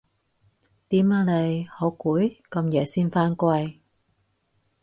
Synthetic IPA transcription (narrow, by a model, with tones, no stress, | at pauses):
t̪iː˨˥maː˨˧˩le˨˩jho˨˥wkuː˨˥jkɐ˧mjɛː˨˩siː˥nfaː˥nkwɐ˧j